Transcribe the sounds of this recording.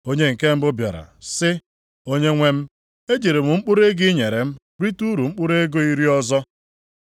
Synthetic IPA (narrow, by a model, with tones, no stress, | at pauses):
o˦ɲe˦ŋ̩˨ke˦m̩˦bʊ˦bja̰˨ɾa̰˨sɪ˦ | o˦ɲe˦ŋʷe˦m̩˦ | e˦d͡ʒe˨ɾe˨mʊ˨ŋ͡m̩˦k͡pʊ˦ɾe˦ɡɪ˦ɲe˨ɾe˨m̩˦ | ɾi˦tu˦ɾu˨ŋ͡m̩˦k͡pʊ˦ɾe˦ɡo˦i˦ɾi˦ɔ˦zɔ˦